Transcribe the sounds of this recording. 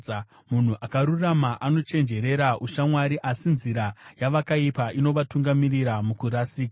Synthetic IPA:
mun̤uʔakaɾuramaʔano̞t͡ʃe̞nd͡ʒe̞ɾe̞ɾaʔuʃamwaɾiʔasinziɾajaʋakaipaʔino̞ʋatuŋɡamiriɾamukuɾasiːkaa

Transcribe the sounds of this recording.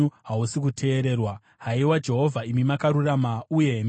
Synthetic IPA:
uɦausikutʰe̞ːɾe̞ːrwa | ɦaiwad͡ʒe̞ɦo̞vʱaimimakaɾuramauje̞m

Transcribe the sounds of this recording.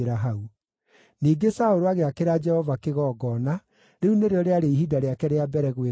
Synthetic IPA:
eɾaɦau | niːɡesaoɾoaɣeakeɾad͡ʒɛhɔvakeɣɔːɡɔna | ɾeuneɾeɔɾeaɾeiɦidaɾeakɛɾeabɛɾɛɣwe

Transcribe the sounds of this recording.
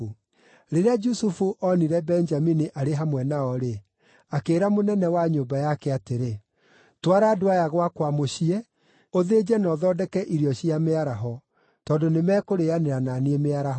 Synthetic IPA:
ɾeɾead͡ʒusufuʔɔniɾɛbɛnd͡ʒaminiʔaɾeɦamwɛnaɔɾe | akeːɾamonɛnɛwaɲoːbajakɛateɾe | twaɾaːdoajaɣwakwamoɕiɛ | oðed͡ʒɛnɔðɔdɛkɛʔiɾiɔɕiameaɾaɦɔ | tɔːndonemɛkoɾeaneɾananiemeaɾaɦ

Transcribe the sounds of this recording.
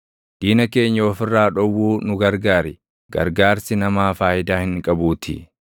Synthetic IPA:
d̪̥iːnɐke̞ːɲːɐɔfɪrːaːᶑɔwːuːnʊɡɐɾɡaːɾɪ | ɡɐ̰ɾɡaːɾsɪnɐmaːfaːʔɪd̪aːhɪŋkʼɐbuːt̪ʰɪ̰

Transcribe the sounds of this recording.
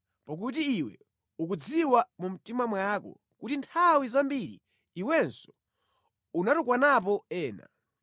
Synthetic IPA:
pak̬ut̬iːwɛ̰ | uk̬ud͡ziwamum̩timamwakɔ̰ | kutintʰawizambiɾḭː | wɛnsɔ̥ | unatukwanap̬ɔɛːna̰

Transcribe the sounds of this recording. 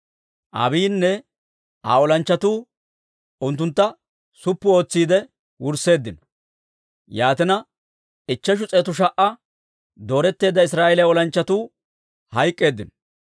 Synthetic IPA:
ʔɐ̰biːnːɛ | ʔa̰ːɔlɐnt͡ʃːɐt̪uː | ʊnt̪ːʊnt̪ːɐ | sʊpːʊo̞ːt͡sːiːd̪ɛ | wʊɾse̞ːd̪ːɪnɔ̥ | jaːt̪ɪnɐ | ɪt͡ʃːɐʃ̬ʊt͡sʼeːt̪ʊʃ̬ɐʔɐ | d̪o̞ːɾɛt̪ːe̞ːd̪ːɐɪs̬ɾaːjɛlɛɔlɐnt͡ʃːɐt̪uː | hɐjkʼːe̞ːd̪ːɪnɔ

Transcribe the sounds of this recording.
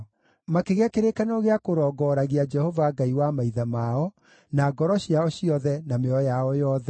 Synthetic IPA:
makeɣeakeɾekanoɣeakoɾɔːɡɔɾaɣead͡ʒɛhovaɡaiwamaiðamaɔ | naːɡɔɾɔɕjaɔɕiɔðɛnameɔjaɔjɔðɛ

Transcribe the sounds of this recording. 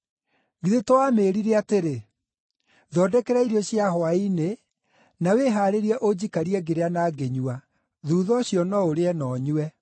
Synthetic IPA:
ɡiðetowameːɾiɾeateɾe | ðɔdɛkɛɾaiɾiɔɕjaɦwaine | naweɦaɾeɾiɛʔod͡ʑikaɾiɛɡeɾeanaːɡeɲua | ðuːðɔɕjɔnɔoɾeɛnɔɲuɛ

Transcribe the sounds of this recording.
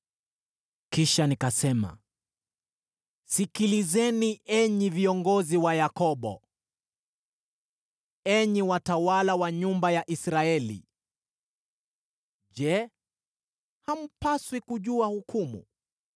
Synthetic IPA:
kiʃanikasɛma̰ | sikilizɛniʔɛɲiviɔŋɡɔziwajakɔɓɔ̰ | ɛɲiwatawalawaɲumbajaʔisɾaɛlḭ | ʄɛ | ham̩paswikuʄuahukʰumṵ

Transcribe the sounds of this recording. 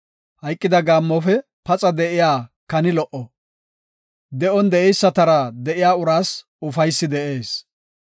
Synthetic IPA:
hɐjkʼːɪd̪ɐɡaːmːɔfɛ | pɐt͡sʼɐd̪ɛʔɪjaːkɐnɪlɔʔɔ | d̪ɛʔɔnd̪ɛʔɛjsːɐt̪ɐɾɐd̪ɛʔɪjaːʊɾaːs | ʊfɐjsːɪd̪ɛʔe̞ːs

